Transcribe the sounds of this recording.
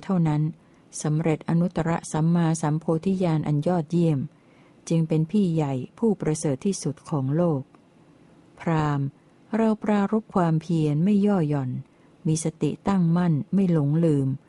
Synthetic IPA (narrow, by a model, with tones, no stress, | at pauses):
t̪ʰa˥˩wna˦˥n | sa˩˦mɾe˨˩t̪̚ʔa˧nu˦˥t̪ːa˧ɾa˦˥ʔsa˩˦mːaː˧sa˩˦mpʰoː˧t̪ʰi˦˥jaː˧nʔa˧njɔː˥˩t̪̚ji˥˩əm | t͡ɕɯ˧ŋpe˧npʰiː˥˩ja˨˩jpʰuː˥˩pɾa˧sɤː˨˩t̪ʰːiː˥˩su˨˩t̪̚kʰɔː˩˦ŋloː˥˩k̚ | pʰɾaː˧m | ɾa˧wpɾaː˧ɾo˦˥p̚kʰwaː˧mpʰi˧ənma˥˩jɔː˥˩jɔ˨˩n | miː˧sa˧t̪ḭ˨˩t̪a˥˩ŋma˥˩nma˥˩jlo˩˦ŋlɯː˧m